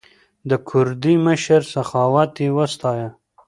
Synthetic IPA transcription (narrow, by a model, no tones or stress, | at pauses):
d̪əkʰʊɾd̪iməʃaɾsaxɑwat̪ewəst̪ɑja